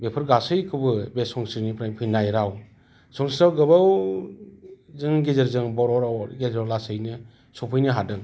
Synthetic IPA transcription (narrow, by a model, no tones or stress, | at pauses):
bepʰɯɾɡasɯjkʰɯbɯbesɔŋsɯɾnipʰɾapʰɯjnajɾaw | sɔŋsiɾawɡɯbaw | zɯŋɡezɯɾzɯŋbɔɾɔɾawɡezɾɔlasɯjnɯ | sɔpʰɯjnɯɦadɯŋ